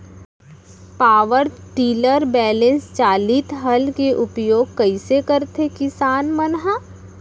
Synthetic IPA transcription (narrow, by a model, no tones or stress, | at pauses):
paːʋəɾʈiːləɾbɛːlẽnst͡ʃaːliːt̪ɦɐlkeʔʊpjoːɡ̚kɐisekəɾt̪ekɪsaːnmənɦa